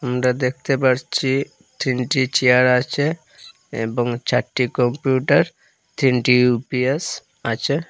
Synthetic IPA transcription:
amɾad̪ek̚ʰt̪epaɾt͡ɕʰi | t̪ʰɾiɳʈit͡ɕeaɾat͡ɕʰe | ḛboŋt͡ɕaʈːikɔmpjuʈaɾ | t̪ʰiɳʈiupies | at͡ɕʰe

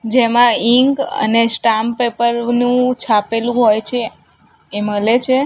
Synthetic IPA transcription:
d͡ʒemãiŋkə̰nesʈampepəɾnũt͡ʃʰapelũɦojt͡ʃʰeː | məlet͡ʃʰe

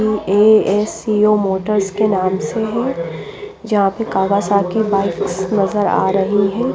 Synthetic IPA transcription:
ieːeːsioːmoːʈəɾskenaːmseɦɛ̃ | d͡ʒɐɦãpəkaːʋasakibaːɪksnɐzəɾa̰ːɾɐɦiɦɛ̃ː

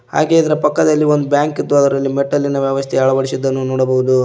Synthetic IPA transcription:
ha̰ːɡeːɐd̪ɐɾɐpɐkːɐd̪ɐlːiʋond̪ubjaːŋkid̪ːuɐd̪ɐɾɐlːimeʈːɐlːinɐʋjɛʋɐst̪ʰɛɐɭɐʋɐɽisid̪ːɐnːunoːɽɐbɐɦud̪u

